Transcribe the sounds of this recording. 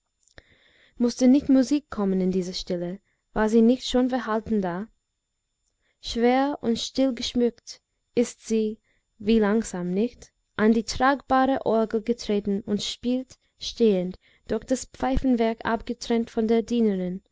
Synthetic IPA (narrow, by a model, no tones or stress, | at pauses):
mʊstənɪçtmuziːkʰːɔmənɪndiːzəʃtɪlə | vaːɐziːnɪçtʃoːnbɛɐɦaltn̩daː | ʃv̥eːɐʔʊntʃtɪlɡəʃmʏkt | ɪstz̥iː | viːlaŋz̥aːmnɪçt | ʔandiːtʁ̥aːɡb̥aːʁəʔɔɐɡl̩ɡətʁ̥eːtn̩ʊntʃpiːlt | ʃteːənd | d̥ʊɐxd̥aspp͡faɪfn̩vɛɐka̰pɡ̥ətʁ̥ɛntfɔndeːɐdiːnəʁɪn